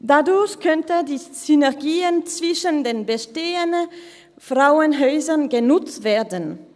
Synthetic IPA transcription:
dadʊɐçkʰœntədiːsynɛɐɡiːənt͡sv̥ɪʃəndeːnbəʃteːənə | fʁ̥aʊənɦɔʏzɐnɡənʊt͡stv̥eːɐdən

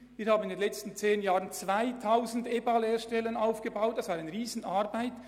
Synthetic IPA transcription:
viːɾhaːbn̩ɪndenlɛt͡stn̩t͡seːnjaːʁənt͡sv̥aɪtʰaʊzn̩debɑlheːʃtɛlənaʊfɡ̥əbaʊt̚d̥ɑsv̥aːɾaɪnʁiːzn̩ʔaʁbaɪt

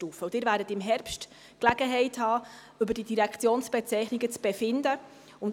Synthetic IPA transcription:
tuːfəud̥ɪːɾvæːɾdətɪmɦɛɾpʃt | klæɡəɦɛɪthɑː | ʏbəɾdidiɾɛkχt͡sjoːnsb̥ɛt͡sɛɪχnɪɡət͡sb̥ɛfɪndə | ʊn

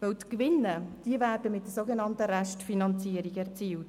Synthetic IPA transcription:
vɛltkʋɪnːəd̥iəvæːɾdəmɪt̚d̥əsoɡenɑntəɾæʃtfinɑnt͡siəɾiɡɛʁt͡siːlt

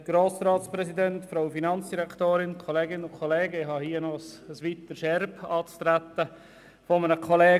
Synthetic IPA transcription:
ɡ̥ɾoːsɾɑːtspɾɛsidɛntfɾaʊfinɑnt͡sd̥iɾɛktoːɾɪnkʰɔleːɡɪnəʊnkʰɔleːɡəɪhɑhiːənɔsəsʋit̪əʃɛɾbɑːt͡st̪ɾæt̪ə | fɔmənəkʰɔleː

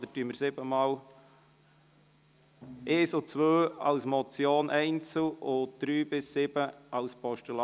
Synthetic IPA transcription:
d̥̪ətyəməɾsɪbəmɑːw | ʔeːsot͡sʋøːɑʊsmɔt͡sjoːnʔɛɪnt͡səlʊd̪̥ɾyːbɪsːɪb̥əɑʊspɔʃtulɑ

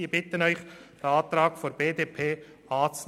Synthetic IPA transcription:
iːbɪt̪ənœʏxd̥ɑːt̪ɾaːkfoɾb̥eːdeːpʰeː | aːt͡sn

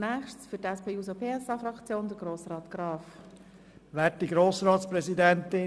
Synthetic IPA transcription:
nɛːχʃtsfytɛspʰeːuːsopʰeːɛsɑːfɾɑkt͡sjoːndəɾɡɾoːsrɑːt̪ɡ̥ɾɑːf | ʋæːtdiɡɾoːsɾɑːtspɾɛzidɛnt̪ɪ

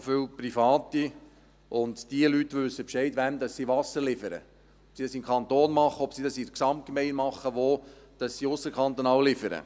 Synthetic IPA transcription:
fʏwprifɑːt̪i | ʊndd̥iəlytʋʏsːəpʃɛɪtʋæmd̪ɑsːiːʋɑsəɾlɪfəɾə̰ | ɔpsidɑsɪmkʰɑnt̪oːnmɑχəɔpsidɑsiɾksɑmt̚kemɛɪmɑχːəʋoː | d̥ɑsːiʊsːəɾkʰɑnt̪onɑːllɪfəɾə̰

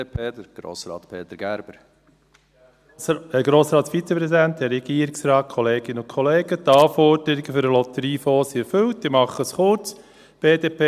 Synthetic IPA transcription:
pʰeːəɡ̥ɾo̰ːsɾɑ̰ːt̪pʰeːt̪əɾɡ̥æɾb̥əɾ | ɡɾoːsɾɑːt̪sfit͡səpɾɛsidænt̚ɛɾɛɡ̥iəɾɪksɾɑːt̚kʰɔleːɡ̥ɪnəʊnkʰɔleːɡət̪ɑːfɔɾd̥əɾiɡəfʏɾəlɔt̪əɾiːfoːsiɛɾfølt̚d̥ɪmɑχəsχʊɾt͡s | b̥eːdeːpʰeː

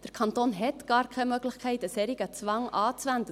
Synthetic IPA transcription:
d̥əɾkʰɑnt̪oːnɦɛt̪ɡ̥ɑːɾkʰɛɪmøɡlɪxkʰɛɪtəsɛɾɪɡət͡sʋɑŋʔɑːt͡svænd̪ə

